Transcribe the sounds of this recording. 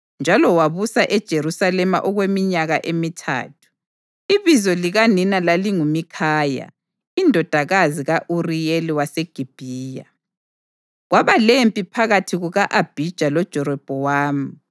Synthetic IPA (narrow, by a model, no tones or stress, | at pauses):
nd͡ʒʱalɔwaβusaʔɛd̥ʒ̥ʱeɾusalɛma̰ʔɔɣwemiɲaɣaʔemitʰa̰ːtʰu̥ | iβizɔliɣaninalaliŋumikʰaːja̰ | indʱɔd̥ʱaɣaziɣaʔurijeliwaseɡ̥ʱib̥ʱiːja̰ | ɣwaβalempʼipʰaɣatʰiɣuɣaʔab̥ʱid̥ʒ̥ʱalɔd̥ʒ̥ʱɔɾɔb̥ʱɔwaːmi